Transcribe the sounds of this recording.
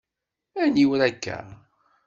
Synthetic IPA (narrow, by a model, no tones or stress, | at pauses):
æniwɾækːæ̰